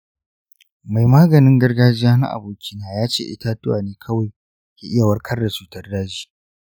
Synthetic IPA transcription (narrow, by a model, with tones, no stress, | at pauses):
ma˨jmaː˦ɡɐ˨nɪ˦ŋɡɐ˦rɡaː˦d͡ʒɪ˦jaː˦na̰˦ʔa̰˨boː˨kʲʰɪ˦naː˨jaː˦t͡ʃḛː˦ʔɪ̰˦taː˦tʊ˦waː˨neː˦kʰɐ˦wa˨j | kʲeː˨ʔɪ˦ja˨wɐ˦rkʰɐ˦rdɐ˨t͡ʃuː˦tɐ˦rdaː˦d͡ʒiː˦